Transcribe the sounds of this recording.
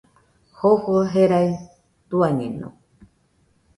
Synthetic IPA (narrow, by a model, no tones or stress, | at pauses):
hohoɦeɾaj | t̪uaɲẽnṵ̃